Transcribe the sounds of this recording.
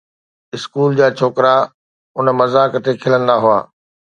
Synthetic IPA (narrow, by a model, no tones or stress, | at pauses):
ɪskuːld͡ʑaːt͡ɕʰoːkɾa | ʊnmɐzaːkət̪ekʰɪlə̃nd̪aɦʊa̰ː